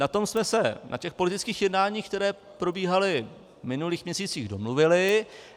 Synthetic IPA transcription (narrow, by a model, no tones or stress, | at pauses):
nat̪o̞msmɛsɛnʔa̰cɛxpo̞lɪt̪ɪt͡skiːxjɛdnaːɲiːxkt̪ɛɾɛː | pɾo̞biːɦalɪ | mɪnuliːxmɲɛsiːt͡siːɣdo̞mluvɪlɪ